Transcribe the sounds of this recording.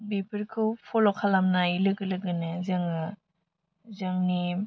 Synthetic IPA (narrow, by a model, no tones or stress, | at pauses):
bipʰɯɾkʰɯwpʰɔlɔkʰalamnailɯɡɯlɯɡɯnɯzɐŋɯ | zaŋni